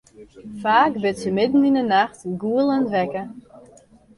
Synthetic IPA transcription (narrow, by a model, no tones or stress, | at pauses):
faːkbɪtsəmɪdn̩inənaxtɡuəlˠəntʋɛkə